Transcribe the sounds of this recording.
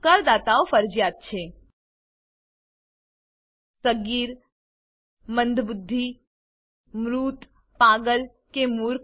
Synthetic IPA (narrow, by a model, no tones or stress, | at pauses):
kəɾd̪aːt̪aofəɾd͡ʒjaːt̪̚t͡ʃʰe | səɡiːɾ | mə̃nd̪ʱbʊd̪ʱːi | mɾuːt̪ | paːɡəl | kemuɾk